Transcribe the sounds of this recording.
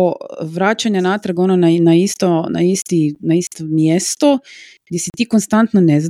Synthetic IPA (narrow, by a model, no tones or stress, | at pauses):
oʋɾaːt͡ʃaɲanaːt̪ɾaɡononanaist̪ona̰ist̪inaist̪omjest̪o | ɡd̪je̞sit̪iːkonst̪ant̪nonez